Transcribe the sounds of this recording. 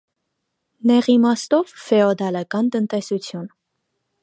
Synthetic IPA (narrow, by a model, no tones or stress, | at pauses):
nɛʁimɑst̪ɔvfɛɔd̪ɑlɑkɑnt̪ənt̪ɛsut͡sʰjun